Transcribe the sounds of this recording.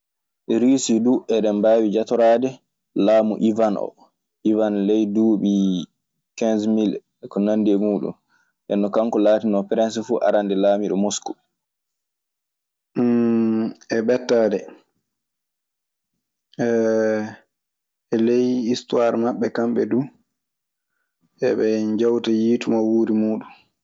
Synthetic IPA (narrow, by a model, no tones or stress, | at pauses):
ɛɾiːsiduʔɛɗɛmbaːwid͡ʒatɔɾaːdɛ | laːmuʔivanʔɔ̰ | ʔivanlɛjduːɓi | kɛnzmil | kɔnandiɛmuːɗṵm | ʔɛnːɔkaŋkɔlaːtinɔpɾɛns̬fuʔa̰ɾandɛlaːmiɗɔmosku̥ | ɛbɛtːaːdɛ | ɛ | ɛlejistuaɾmaɓːɛkamɓɛdu | ʔɛɓɛɲd͡ʒawtajiːtumawuːɾimuːɗun